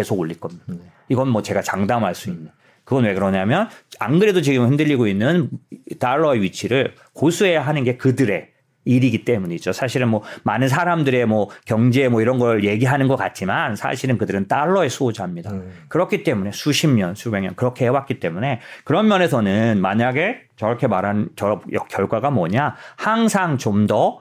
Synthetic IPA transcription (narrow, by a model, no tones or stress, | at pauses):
ke̞sʰoɡoʎːiɭk͈ʌmɲod | iɡʌnmwʌt͡ɕe̞ɡat͡ɕaŋdamɦaɭs͈uinːɯn | kɯɡʌnwe̞kɯɾʌɲamjʌnaŋɡɯɾedot͡ɕiɡɯmhindɯʎːiɡoinːɯnt͈aɭːʌeɥit͡ɕʰiɾɯɭ | kosʰue̞jaɦanɯnɡe̞kɯdɯɾe̞ | iɾiɡit͈e̞muɲid͡ʑosʰaɕʰiɾɯnmwʌmanɯns̬ʰaɾamdɯɾe̞mwʌkjʌŋd͡ʑeːmwʌiɾʌnɡʌɭje̞ɡiɦanɯnɡʌk͈at̚t͡ɕ͈imansʰa̰ɕʰiɾɯnkɯdɯɾɯnt͈aɭːʌe̞sʰuod͡ʑaɦamɲidakɯɾʌkʰit͈e̞mune̞sʰuɕʰimɲʌnsʰube̞ŋɲʌnkɯɾʌkʰe̞ɦewak͈it͈e̞mune̞kɯɾʌmmjʌne̞sʰʌnɯnmaɲaɡe̞t͡ɕʌɾʌkʰe̞maɾɦanɯnt͡ɕʌɾʌjʌkjʌɭɡwaɡamʌɲahaŋsʰaŋt͡ɕomdʌ